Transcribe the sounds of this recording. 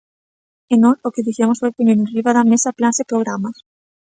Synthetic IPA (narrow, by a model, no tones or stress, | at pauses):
enosokɪðiθemosfojpenineriβaðamesaplansepɾoɣɾamas